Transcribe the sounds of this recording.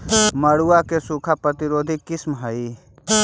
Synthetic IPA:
məɽuakesuːkʰapɾət̪iɾoːd̪ʱikːɪsmɦəi

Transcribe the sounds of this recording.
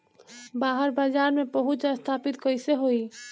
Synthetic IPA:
baɦəɾbaːd͡ʒaːɾmebəɦʊt͡ʃəst̪ʰaːpit̪kəɪseɦoi

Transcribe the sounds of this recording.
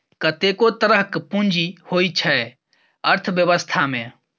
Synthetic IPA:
kɐt̪eːkot̪əɾəɦkpũnd͡ʒihoːit͡ʃʰəe | əɾt̪ʰʋjəʋəst̪ʰaːmẽː

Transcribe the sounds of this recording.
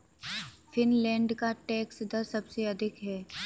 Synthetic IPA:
fɪnlɛ̃ːɳɖkaʈɛːksd̪ɐɾsɐbseɐd̪ʱɪkɦɛː

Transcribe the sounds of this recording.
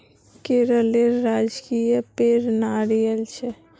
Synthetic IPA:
keɾəleɾːad͡ʒkijəpeɾnaːɾijəlt͡ʃʰe

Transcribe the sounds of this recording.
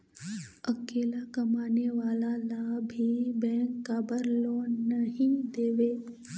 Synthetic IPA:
əkeːlakɐmaːneʋaːlalabʱibɛ̃ːkːaːbəɾloːnəɦĩd̪eːʋeː

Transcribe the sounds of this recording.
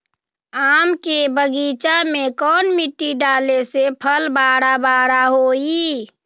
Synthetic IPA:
aːmkebəɡit͡ʃamẽkɔːnmiʈːiɖaːlesepʰəlbaːɽabaːɽaɦoːi

